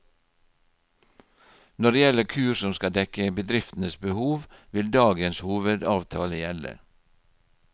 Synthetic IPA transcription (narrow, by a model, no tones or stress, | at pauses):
nɔɖeːjɛləkʰʉːɾsɔmskɑd̪ɛkəbəd̪ɾɪft̪n̩əsbəhuːʋʋɪld̪ɑːɡənshuːʋəd̪ɑːʋt̪ʰɑːləjɛlə̰